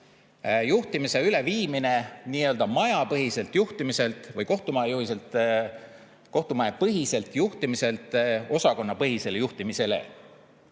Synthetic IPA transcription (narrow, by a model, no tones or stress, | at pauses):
juht̪imise̞yle̞viːmine̞niːø̞ld̪ɑmɑjɑpɤɦise̞lt̪ˑjuht̪imise̞lt̪ˑvɤjko̞ht̪umɑejuɦise̞lt̪ | ko̞ht̪umɑepɤɦise̞lt̪ˑjuht̪imise̞lt̪ːˑo̞sɑko̞nːɑpɤɦise̞lejuht̪imise̞le̞̰